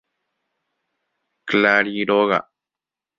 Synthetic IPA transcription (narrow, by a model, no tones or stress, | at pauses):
klaɾiɾoɣa̰ʔ